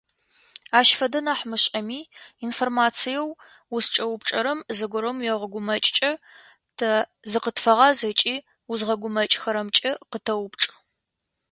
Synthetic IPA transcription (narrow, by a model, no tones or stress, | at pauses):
aːʃfɐdɐnaːħmɨɕʼɐmiːinformaːt͡sʰijɛw | wʊst͡ʃʼɐwʊpʈ͡ʂʼɐɾɐmzɨɡʷʊɾɐmjɛʁəɡʷʊmɐt͡ʃʼt͡ʃʼɐ | tʰɐzɨqətfɐʁɑzɐt͡ʃʼiː | wʊzʁɐɡʷʊmɐt͡ʃʼxɐɾɐmt͡ʃʼɐqətʰɐwʊpʈ͡ʂʼ